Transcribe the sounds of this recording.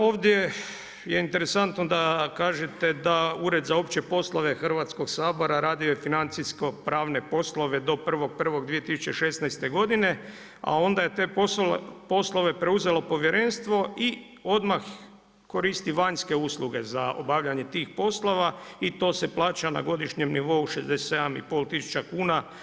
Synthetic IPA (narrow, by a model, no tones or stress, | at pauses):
o̞ːʋd̪je | jeint̪eɾesant̪nod̪akaːʒet̪e̞d̪auɾe̞d̪zaopt͡ɕepo̞slˠoʋe̞xr̩ʋat̪sko̞ɡsaːbo̞ɾaɾaːd̪iojefinant̪sisko̞pɾaːʋne̞po̞slˠo̞ʋe̞d̪o̞pr̩ʋo̞ɡ̚pr̩ʋo̞ɡd̪ʋije̞t̪isu̥t͡ɕe̞ʃe̞snajst̪e̞ɡo̞d̪ine̞ | a̰o̞nd̪aje̞t̪eːopo̞slˠo̞ʋe̞pɾe̞uze̞lo̞po̞ʋjeɾe̞nst̪ʋo̞i | o̞d̪max | ko̞ɾiːst̪iʋaɲske̞uːslˠuɡe̞zao̰baʋʎaɲe̞t̪iːxpo̞slˠoʋait̪o̞ːse̞plˠaːt͡ɕana̰ɡo̞d̪iʃɲe̞mniʋo̞uʃezd̪esesed̪amḭpo̞ːlˠt̪isu̥t͡ɕakuːna